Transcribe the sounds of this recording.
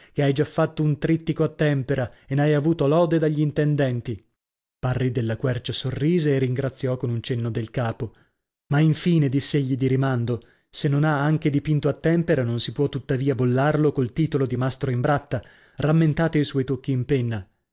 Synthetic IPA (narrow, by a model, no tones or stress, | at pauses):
keajd͡ʒafːat̪ːount̪ɾit̪ːikoat̪ːɛmpeɾaenajavuːt̪olɔːd̪ed̪aʎːint̪end̪ɛnt̪i | parːid̪elːakwɛrt͡ʃasorːiːzeːrːiŋɡɾat̪sːjɔkonunt͡ʃenːod̪elkaːpo | maiɱfiːned̪isːeeʎːid̪iɾimand̪o | senːonaaŋked̪ipint̪oat̪ːɛmpeɾanonsipwɔt̪ːut̪ːaviːabolːarlokolt̪iːt̪olod̪imast̪ɾoimbɾat̪ːa | ramːent̪aːt̪oiswɔjt̪okːiːmpenːa